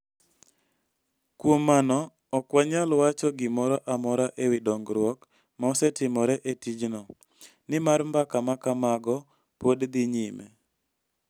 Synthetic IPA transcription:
kwomːanɔː | kwaɲalwat͡ʃɔɡɪmɔɾɔʔamɔɾaʔewɪdɔŋɡɾwɔk | maɔsɛtɪmɔɾɛʔetid͡ʒnɔ | nɪmaɾmbakamakamaɡɔ | podd̪ɪɲimɛ

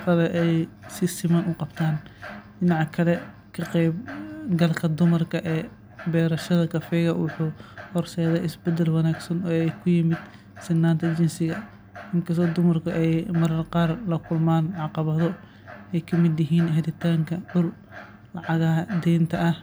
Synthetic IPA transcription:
fɐlɛʔɛjsɪsɪmɐnʊqɑbt̪ʰaːnɖɪnɑʕkʰɐlɛ | kʰɐqɛjb̚ɡɐlkʰɐd̪ʊmɐrkʰɐʔɛː | bɛːɾɐʃɐðɐkʰɐfɛːɣɐwʊħuːhɔrsɛːjðɛʔɪsbɛd̪ɛlwɑnaːɡsɐnɔːɛjkʰʊjɪmɪd̪ | sɪɡnaːnt̪ʰɐt͡ʃɪnsɪɣɐ | ʔɪŋkʰɐsɔːd̪ʊmɐrkʰɐʔɛjmɐɾɐrqɑːrlɐkʰʊlmaːnʕɑqɑβɐðɔ | ʔɛjkʰɐmɪd̪jɪɦiːnhɛðɪt̪ʰaːŋkʰɐʕʊl | lɑʕɑɣɐɦɐd̪ɛːnt̪ʰɐʔɐh

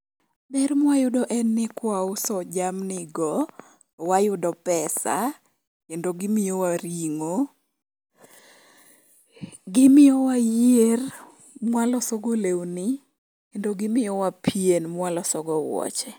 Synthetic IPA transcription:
bɛrmwajʊdɔʔɛnːɪkwaʊsɔd͡ʒamnɪɡɔ | wajʊdɔpɛsa̰ | kendoɡɪmɪjowaɾiŋo | ɡɪmɪjowajer | mwalɔsɔɡolewnɪ | kendoɡɪmɪjɔwapʰienmwalɔsɔɡɔwɔ̰t͡ʃɛ

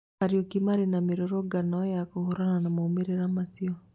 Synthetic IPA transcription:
aɾiokimaɾinamiɾoɾoɡanɔjakuhuɾananamoumiɾeɾamasiɔ

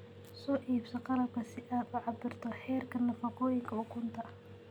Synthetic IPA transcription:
sɔːʔiːbsɐqɑlɐb̚kʰɐsɪʔaːd̪ʊʕɑbɪrt̪ʰɔħɛːrkʰɐnɐfɑqɔːjɪŋkʰɐʊkʰʊnt̪ʰɐ

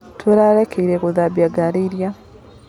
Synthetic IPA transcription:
tweɾaɾekeiɾekuðaβjaɡaɾeiɾja

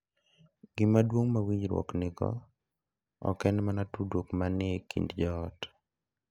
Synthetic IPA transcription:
ɡ̥ɪmadwoŋmawiɲɾwɔ̰knɪɡɔ̰ | ɔ̰kɛnmanatudokmankʰḭndd͡ʒɔːt

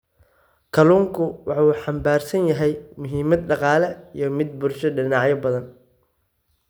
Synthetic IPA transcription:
kʰɐluːŋkʰʊwɑħuːħɑmbaːrsɐnjɐɦɛjmʊɦiːmɐd̪ɖɑqɑːlɛijɞmɪd̪̚bʊrʃɐɖɪnɑːʕjɐbɐðɐn

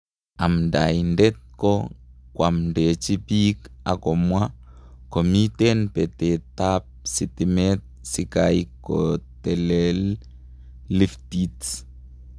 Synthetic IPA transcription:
am̩da̰indɛt̪̚kɔkwam̩ndɛt͡ʃipika̰kɔmwa | kɔmitɛnpɛtɛtap̚sitimɛt̚sikaikɔtɛlɛl | liftit

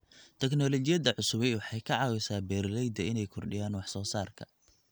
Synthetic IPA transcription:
t̪ʰɛknɔːlɔt͡ʃɪjɐðɐʕʊsʊβɛjwɑħɑjkʰɐʕɑːwɛsaːbɛːɾlɛjd̪ɐɪnɛjkʰɔrɖɪ̰jaːnwɑħsɔːsaːrkʰɐ̰

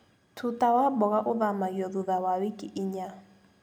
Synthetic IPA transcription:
tʰutʼawabɔɣaʔʊðamajɔðuðawawikʼiʔɪɲa

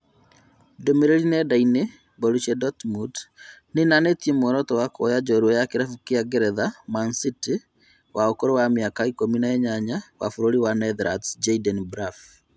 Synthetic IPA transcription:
domeɾeɾinɛdaine | bɔɾuʃɛdɔtmudnenanetiemɔɾɔtɔwakojad͡ʒɔɾwɔjakeɾafukeaɡɛɾɛðamansiti | waokoɾowamjakaikominaɛɲaɲawa̰foɾoɾiwanɛðɾa̰td͡ʒaidɛnbɾaf

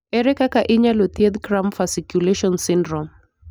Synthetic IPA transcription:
ɛɾɛkakaʔɪɲalot̪jed̪kɾamfasikjuleʃɔnsɪndɾɔm

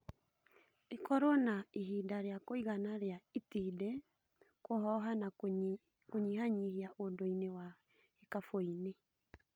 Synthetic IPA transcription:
ekɔɾonaiɦidaɾeakoiɣanaɾeaitidɛ | kohɔɦana | koɲihaɲihiaʔodoinewa | hekafoine

